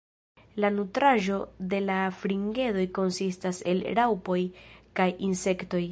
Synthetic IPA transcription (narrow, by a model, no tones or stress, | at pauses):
lanutɾaʒo̞de̞lafɾiŋɡe̞do̞jko̞nsistase̞̰lɾawpo̞jkajinse̞kto̞j